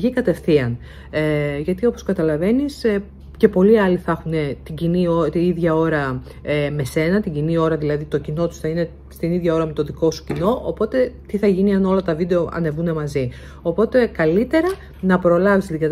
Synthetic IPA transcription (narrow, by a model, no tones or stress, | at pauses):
ʝikɐt̪e̞fθiɐn | ʝɐt̪io̞po̞skɐt̪ɐlɐve̞nis | ce̞po̞liɐliθɐxune̞t̪iɟiniot̪iiðʝɐo̞ɾɐ | eme̞se̞nɐt̪iɟinio̞ɾɐðilɐðit̪o̞cino̞t̪u̥sθɐine̞ | st̪iniðʝɐo̞ɾɐme̞t̪o̞ðiko̞su̥cino̞ʔopo̞t̪e̞t̪iθɐʝiniɐno̞lɐt̪ɐvid̪e̞o̞ʔɐ̰ne̞vune̞mɐzi | o̞po̞t̪e̞kɐlit̪e̞ɾɐ | nɐpɾo̞lɐvizlikɐt̪